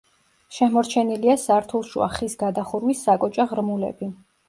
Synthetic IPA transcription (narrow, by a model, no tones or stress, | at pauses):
ʃɛmɔɾt͡ʃʰɛniliasaɾt̪ʰulˠʃṵa̰χisɡad̪aχuɾwisːakʼɔt͡ʃʼaʁɾmulɛ̰bi